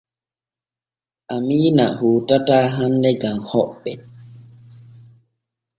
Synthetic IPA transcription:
ʔamiːna̰huːtataːɦandɛɡamhɔɓːɛ

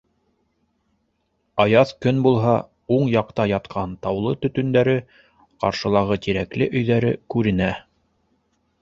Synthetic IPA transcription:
ɑjɑθkɵnbulˠɦɑ | uɴjɑq̚t̪ɑjɑt̪qʰɑnt̪ɑwlˠɤt̪ɵ̆t̪ɵ̆nd̪æɾɘ | qɑ̰ɾʃɤ̆lˠɑʁɤt̪iɾæklɘʔɵ̆jðæɾɘ̰kʉɾɘ̆næ

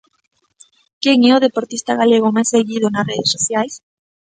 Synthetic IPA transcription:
keŋɛoð̞epoɾt̪ist̪aɣaleɣ̞omajsːeɣið̞onasreðesoθjajs

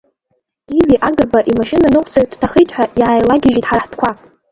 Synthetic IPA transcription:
ɡ̥ʲiɡʲiʔaɡɨrbaʔimaʃɪnanɨqʷʰʼt͡sʰʼaɥdtʰaχəjtʼħʷᶣaʔjaːjlaɡʲɪʒitʼħaɾaħdʰkʷa

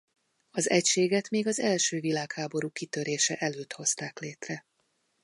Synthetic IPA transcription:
ɒzɛcʃeːɡɛt̪meːɡɒzɛlʃøːvilaːkhaːbo̞ɾuːkit̪øɾeːʃɛʔɛløːt̪ho̞st̪aːkleːt̪rɛ

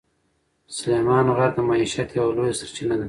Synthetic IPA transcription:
sʊlemɑnoɣaɾd̪əmaiʃat̪jawalojsaɾt͡ʃinad̪a

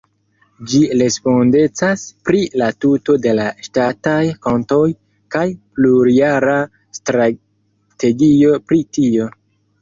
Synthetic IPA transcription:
d͡ʒiɾe̞spo̞nde̞t͡saspɾilatuto̞de̞laʃtatajkonto̞j | kajpluɾiaɾa | stɾa | te̞ɡio̞pɾitio̞

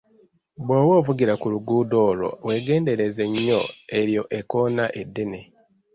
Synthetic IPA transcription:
bwoːwo̞ːvuɟiɾakuluɡuːdo̞ːlo̞̰we̞ːɡe̞ːnde̞ɾe̞ze̞ɲːo̞e̞ɾjo̞ʔe̞ko̞ːnaʔe̞dːe̞ne̞

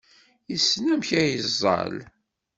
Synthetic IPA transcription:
jisːnæmçæjəzˤːɑ̰l

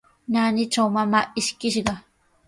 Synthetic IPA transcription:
naːnɪʈ͡ʂawmamaːʔɪʃkɪʃɢɑ

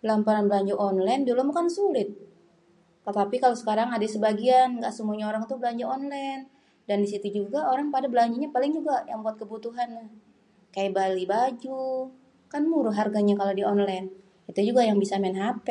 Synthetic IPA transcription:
bəlampaɾanbəlaɲd͡ʒuʔɔnlajndulʊmukansulɪt̪̚ | kət̪apikalosə̥kaɾaŋadaisəbaɡianŋɡaʔsəmuaɲaoɾaŋt̪ubəlaɲd͡ʒuɔnlajn | dandisit̪ud͡ʒuɡaoɾaŋpadabəlaɲd͡ʒuɲapalɪŋd͡ʒuɡajaŋbuat̪̚kəbut̪uɦanːah | kajabalibad͡ʒu | kanmuɾʊɦarɡaɲakalodiɔnlajn | it̪ud͡ʒuɡajaŋbisamɛnɦapɛ

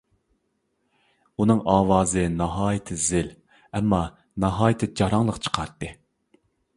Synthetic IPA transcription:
unɨŋʔɑːwɑːzɨnɑɦɑːjɪt̪ʰɨzɪl | ɛmːɑ | nɑɦɑːjɪt̪ʰɨd͡ʒɑɾɑŋlˠəqt͡ʃʰə̥qʰɑɾt̪ːɨ

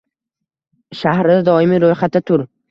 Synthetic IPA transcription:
ʃahɾɪd̪ad̪ɒɪmiɾojχat̪̚ʰːat̪ʰʊɾ

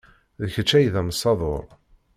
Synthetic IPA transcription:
ðəçət͡ʃːæjðæməsˤːɑðˤoɾˤ

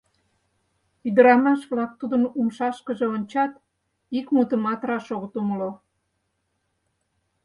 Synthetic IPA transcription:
yd̪əɾɑmɑʃβlɑk̚t̪ud̪ənumʃɑʃkəʒeonʲt͡ɕɑt̪ | ikmut̪əmɑt̪rɑʃoɣə̆t̪uməlo

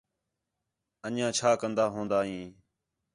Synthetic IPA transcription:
ənjãːt͡ʃʰaːkənd̪aːɦõːnd̪aːɦĩː

